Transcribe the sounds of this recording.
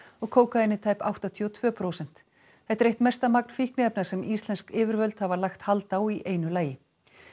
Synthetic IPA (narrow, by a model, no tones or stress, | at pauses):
ɔɣkʰoːwkaɪnːɪt̪ʰaːjpa̰wht̪at̪ʰiɔt̪ʰv̥œːpʰɾoːwsɛn̥t̪ | hɛht̪ɛɾejht̪mɛst̪amak̚n̥fihknɪɛpnasɛmist̪lɛnskɪːvɪɾvœlt̪havalaxt̪halt̪awiʔeːjnʏlaːjɪ